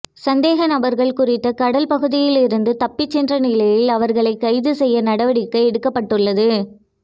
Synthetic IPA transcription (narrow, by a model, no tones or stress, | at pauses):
sɐnd̪eːɣɐnɐbɐɾɣɐɭkʊrɪt̪ːɐkɐɽɐlpɐɣɯðɪjɪlɪɾɯnd̪ɯt̪ɐpːɪt͡ʃːɛndrɐnɪlɐjɪlɐʋɐɾɣɐɭɐɪkːɐɪðɯsɛjːɐnɐɽɐʋɐɽɪkːɐɛɽɯkːɐpːɐʈːɯɭːɐðɯ